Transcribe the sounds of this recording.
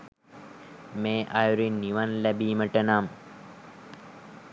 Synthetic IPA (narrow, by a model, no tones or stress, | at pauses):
meːʔajuɾinːiʋanlæbiːməʈənam